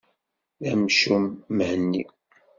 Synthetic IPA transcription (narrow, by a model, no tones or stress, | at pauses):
ðæmʃumːəhənːḭ